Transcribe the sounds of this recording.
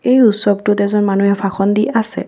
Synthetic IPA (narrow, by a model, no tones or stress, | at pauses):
ejusɔb̚tʊtɛzɔnmanuɦɛpʰaxʰɔndiasɛ̰